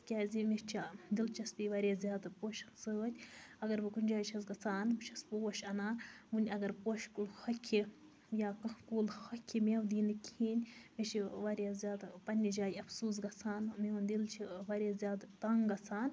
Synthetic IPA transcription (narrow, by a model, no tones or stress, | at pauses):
kʲaːzimit͡ʃʰad̪ilt͡ʃʰɐst̪iʋaɾʲjaːzʲjaːd̪poːʃɐnsəːt̪ʲɐɡɐɾʋɨkunʲd͡ʒaːjt͡ʃʰɐs̬ɡɐt͡sʰaːnbɨt͡ʃʰɐspoːʃɐnaːnʋunʲɐɡɐɾpoːʃkulxɐkʲʰːi | jaːkɐkuːlxɐkʲʰːimewd̪iːnɨkʲʰiːnʲmet͡ʃʰiʋaɾʲjaːzʲjaːd̪pɐnʲːid͡ʒaːjɐfsuːs̬ɡɐt͡sʰaːnmeund̪ilt͡ʃʰiʋaɾʲaːzʲjaːd̪t̪ɐŋɡɐt͡sʰaːn